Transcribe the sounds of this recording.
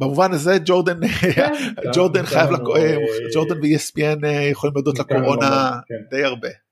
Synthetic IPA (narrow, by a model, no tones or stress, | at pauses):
bamuvanaze̞d͡ʒo̞ʁd̪an | d͡ʒo̞ʁd̪anχajavlaked͡ʒo̞ʁd̪anveiesbienejeχolimliodt̪lako̞ʁo̞nad̪e̞jaʁbe̞